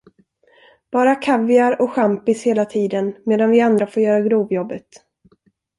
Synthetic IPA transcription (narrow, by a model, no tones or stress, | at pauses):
b̥ɑːɾakʰavɪaɾɔɧampɪsheːlat̪ʰiːd̪ənmeːd̪anvɪand̪ɾafoːɾjœːɾaɡɾuːvjɔbːət̪